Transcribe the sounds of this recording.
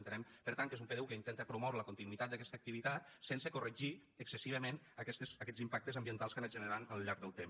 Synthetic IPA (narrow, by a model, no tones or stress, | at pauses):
nt̪əɾɛmpəɾt̪aŋkezumpəðɛwkəint̪ɛnt̪əpɾumɔwɾələkunt̪inuit̪at̪̚d̪əkɛst̪ək̚t̪iβ̞it̪at̪̚sensəkurəʒi | əksəsiβ̞əmen | əkɛst̪əsəkɛzimpak̚t̪əzəmbiənt̪alˠskənəʒənəɾanəlˠʎaɾɡ̚d̪əlˠt̪em